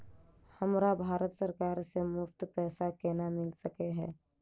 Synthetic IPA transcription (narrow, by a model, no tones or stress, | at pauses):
hɐmɾabʱaːɾət̪səɾkaːɾsemʊft̪pɛːsakeːnamɪlsəkeɦɛː